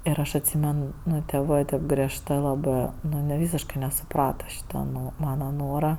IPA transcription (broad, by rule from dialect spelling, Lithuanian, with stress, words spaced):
ɪr ˈɐʃ ɐtʲˈsʲiːmʲɛn ˈnʊ tʲeːˈʋɜ tʲeːp ɡrʲiɛʃˈtɜ lˠɐˈbɜ ˈnʊ ɐnʲiɛ ˈʋʲiːsʲɪʃkɐɪ nʲɛsʊˈprɑːtɐ ˈʃʲiːtɐ ˈnʊ ˈmɑːnɐ ˈnoːrɐ